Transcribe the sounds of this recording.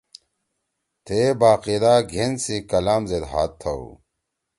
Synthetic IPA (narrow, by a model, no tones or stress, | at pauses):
t̪ʰebaːqid̪aːɡʱensikɐlaːmzed̪ɦa̰ːt̪ʰːɐṵ